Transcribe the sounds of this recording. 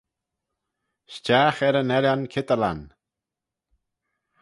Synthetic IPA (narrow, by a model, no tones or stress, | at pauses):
ʃt͡ʃaːxɛɾənɛlankʰɪt̪əla̰n